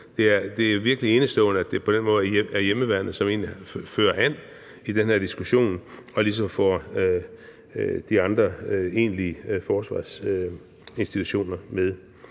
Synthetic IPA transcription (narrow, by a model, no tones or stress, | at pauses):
d̥e̝æɐd̥e̝æɐʋiɐɡ̥əlie̝ːnəsd̥ɔ̰̽ːnəæd̥e̝pʰɒ̽d̥enmɔ̽ːð̩ˠæɐjeməʋæɐnð̩ˠsɒ̽me̝̰ːnlifø̰ːɐʔæn̰ | id̥enheɐd̥isɡ̥uɕo̝̰ːnɒ̽lis̬ɒ̽mfɒ̰ | d̥iɑ̈nd̥ʁɐe̝̰ːnliəfɒːsʋɑ̰̈ːs | e̝nsd̥it͡sʰuɕo̝̰ːnɐmeð̞ˠ